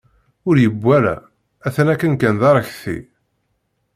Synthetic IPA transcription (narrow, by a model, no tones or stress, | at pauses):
ʊɾjəbʷːælæ̰ | æθənækːənkænðɑɾˤəçθḭ